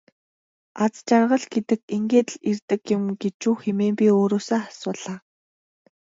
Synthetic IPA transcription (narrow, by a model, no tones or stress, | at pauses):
at͡st͡ɕarʁə̆ɮɡet̪ɘ̆keŋɡeːt̪ɮirt̪ɘ̆kjʊmɡet͡ɕuːxemeːmpʲioːɾoːsaːχasʊːɮaː